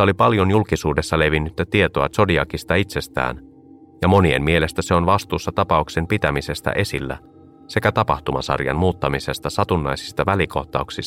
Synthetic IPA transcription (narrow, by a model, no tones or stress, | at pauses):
o̞lipɑljo̞njulkisuːde̞sːɑle̞ʋinːyt̪ːæt̪ie̞t̪o̞ɑt͡ʃo̞diɑkist̪ɑit̪se̞st̪æ̰ːn | jɑmo̞nie̞mmie̞le̞st̪æse̞o̞nʋɑst̪uːsːɑt̪ɑpɑukse̞mpit̪æmise̞st̪æ̰ʔe̞silːæ̰ | se̞kæt̪ɑpɑht̪umɑ̰sɑ̰rjɑ̰nmuːt̪ːɑmise̞st̪ɑsɑt̪unːɑjsi̥st̪ɑʋæliko̞̰ht̪ɑuksist̪